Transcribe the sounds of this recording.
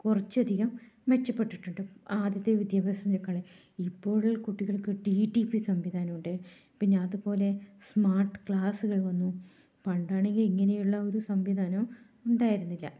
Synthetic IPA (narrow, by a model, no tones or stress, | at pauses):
kurɐt͡ɕːɐd̪ʱiɣɐm | ʋet͡ɕːɐpːeʈːiʈːuɳɖɨaːd̪jɐt̪ːeʋid̪jaːbʱɐsɐmd͡ʑokːaːɭe | ipːo̞ːɭkuʈːiɣɐɭkɨɖiʈːipisɐmʋid̪ʱaːnɐmuɳɖɨ | pinːeɐðupo̞ːle̞smaːrʈɨ̥kɭaːsuɣɐɭʋɐnːu | pɐɳɖaːɳe̞ŋɡiliŋːɐne̞juɭːɐoɾusɐmʋid̪ʱaːnɐm | uɳɖaːjiɾunːilːɐ̰